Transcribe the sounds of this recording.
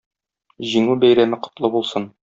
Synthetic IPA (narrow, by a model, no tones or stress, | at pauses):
ʑiŋubæjɾæmɘqŏ̥t̪lˠɤbulˠsɤn